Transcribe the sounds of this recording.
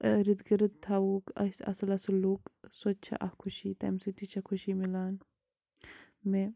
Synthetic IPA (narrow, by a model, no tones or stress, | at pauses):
ɾid̪ɡiɾɐd̪̚t̪ʰːaːukɐ̰sɐ̰sɐlɐsuluːksot͡ʃʰɐ̰ʔɐ̰hkʰuʃit̪ɐ̰msit̪it͡ʃʰɐkʰuʃimilaːn | me